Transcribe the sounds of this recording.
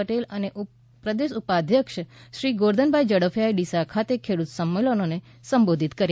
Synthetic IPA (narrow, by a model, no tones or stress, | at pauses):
əʈeləneʔu | pɾəd̪eʃupad̪ʱjəkʃʃɾiɡoɾd̪ʱənbʱajd͡ʒəɽəfjaeɖisakʰat̪ekʰeɽut̪səmːelənone | səmbod̪ʱit̪kəɾ